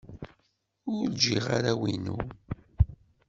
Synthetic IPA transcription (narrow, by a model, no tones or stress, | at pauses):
ʊɾld͡ʒiʁaɾawinṵ